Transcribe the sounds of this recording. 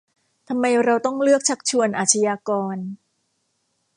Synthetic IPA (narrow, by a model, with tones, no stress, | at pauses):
t̪ʰa˧mːa˧jɾa˧wt̪ɔ˥˩ŋlɯ˥˩ək̚t͡ɕʰa˦˥k̚t͡ɕʰu˧ənʔaː˨˩t͡ɕʰa˧jaː˧kɔː˧n